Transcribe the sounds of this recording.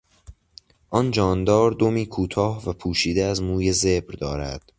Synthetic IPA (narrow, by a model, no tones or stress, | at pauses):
ʔɒnd͡ʒɒːnd̪ɒːɾd̪omiːkʰuːt̪ʰɒːhvæpʰuːʃiːd̪eæzmuːje̞zebɾd̪ɒːɾæ̰d̪̥